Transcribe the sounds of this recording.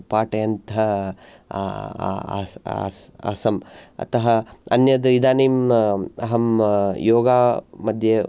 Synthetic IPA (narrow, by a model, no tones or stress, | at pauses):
paːʈɐjɐnt̪ɐ | sɐ̰sɐmɐ̰t̪ɐɦɐɐ̰njɐd̪ɐid̪aːniːmɐɦɐmjoːɡaːmɐd̪ʱje